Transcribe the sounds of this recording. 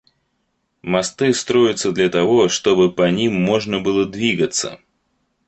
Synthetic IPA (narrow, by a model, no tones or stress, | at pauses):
mɐst̪ɨst̪ɾojɪt̪sːəd̪lʲɐt̪ɐvɔʂt̪obɨpɐnʲimːɔʐnəbɨlˠəd̪vʲiɡət̪sə̰